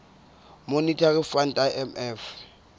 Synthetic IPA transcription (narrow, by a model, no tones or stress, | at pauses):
monitʰʼarifantʼaʔɛmɛf